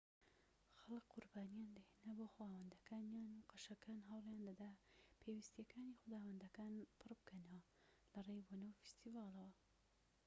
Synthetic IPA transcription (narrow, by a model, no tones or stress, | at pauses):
xɐlɨkqʊɾbaːnijaːnd̪ɐhenɐboːxwaːwɐnd̪ɐkaːnjaːnuqɐʃɐkaːnɦɐwlˠjaːnd̪ɐd̪apʰeːwist̪ijɐkʰaːnixʊd̪aːwɐnd̪ɐkaːnpʰɨrbɨkʰɐnɐwɐ | lɐrejbonɐwfi̥st̪ivaːlˠɐwɐ